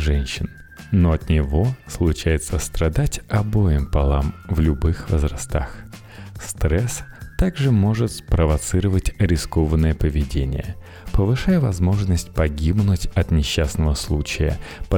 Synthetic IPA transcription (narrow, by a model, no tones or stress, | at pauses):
ʐɛnʲɕːɪn | no̞ɐt̪nʲɪvo̞slˠʊt͡ɕæjɪt̪səst̪ɾɐd̪atʲɐbo̞jɪmpɐlˠamvlʲʊbɨxvəzrɐst̪a̰x | st̪ɾɛst̪aɡʐɨmo̞ʐɨt̪spɾəvɐt̪sɨɾəvətʲɐɾʲɪsko̞vənːəjəpəvʲɪdʲenʲɪ̰jə̰ | pəvɨʂajəvɐzmo̞ʐnəsʲtʲpɐɡʲibnʊtʲɐt̪nʲɪɕːasnəvəslˠut͡ɕɪjə̰p